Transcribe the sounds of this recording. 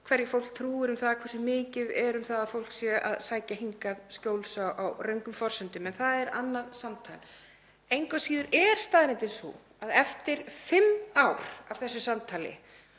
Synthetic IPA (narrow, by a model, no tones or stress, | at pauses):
kʰvɛɾjɪfowl̥k̚t̪ʰɾuːɪɾʏmθaðkʰvɛrsʏmɪːcɪðɛɾʏmθaðafowl̥ksjɛa̰ðsaːjcaɦiŋkaðscoːwlsawʔawrœɥŋkʏmfɔr̥sʏnt̪ʏmɛnθaðɛɾanːaðsamt̪ʰa̰jl | ejŋkasiːðʏɾɛɾ̥st̪aːðɾɪnt̪ɪnsṵ | aðɛft̪ɪɾ̥fɪmawɾ̥av̥θɛsːʏsamt̪ʰaːlɪ̰